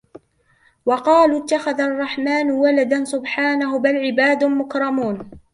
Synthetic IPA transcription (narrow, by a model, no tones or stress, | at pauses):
wɑqɑːlut̪ːaxaðaʔrˤːɑħmaːnwalad̪ansʊbħaːnaɦʊbalʕɪbaːd̪mʊkɾˤɑmuːn